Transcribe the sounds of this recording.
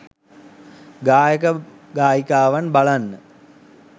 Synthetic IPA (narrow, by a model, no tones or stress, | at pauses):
ɡaːjəkə | ɡaːjikaːʋanbalanːə